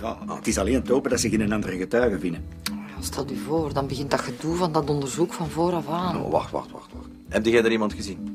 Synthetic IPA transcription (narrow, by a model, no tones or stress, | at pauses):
ja̰ətɪsɑleːnətoːpədɑtsɪɣɪnənɑndərəɣətœːɣəvɪnəɔjaːstʰɛlˠdyvoːrdɑnbəɣɪnt̚dɑtxəduvɑndɑtɔndərzukfɑnvoːɾɔfaːno̰ʋa̰xtʋa̰xtʋa̰xtʋa̰xt | ɛb̚dəɣɛdəɾimɑntxəzin